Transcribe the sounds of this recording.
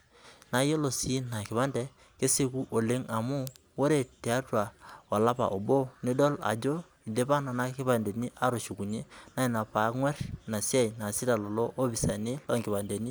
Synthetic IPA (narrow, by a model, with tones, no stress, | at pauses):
na˨˦je˦lo˨si˦na˨kɪ˨pa˦ndɛ˦ | ke˦se˦ku˦ʔo˨le˦ŋa˨mu˦wo˦ɾe˨te˨a˦twa˨a˨la˦pa̰˨ʔo˨bo˦ni˦dɔ˦la̰˨d͡ʒo˦ | i˨de˦pa˦na˨na˦kɪ˦pa˨nde˨ni˦ʔa˦ɾo˨ʃu˨ku˨ɲe˦na˦i˨na˨pa˨˦kŋwɛ˦rna˨sja˦i˨na˨sɪ˦da˨lo˨lo˦ʔo˦bi˨sa˨ni˦lɔ̰˦˨ŋɡɪ˨ba˨nde˨ni˦